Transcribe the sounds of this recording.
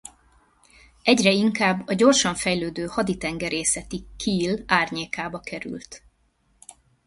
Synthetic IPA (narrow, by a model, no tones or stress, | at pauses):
ɛɟrɛiŋkaːbːɒɟo̞rʃɒɱfɛjløːd̪øːhɒd̪it̪ɛŋɡɛɾeːsɛt̪ikʰiːlaːrɲeːkaːbɒkʰɛɾy̰lt̪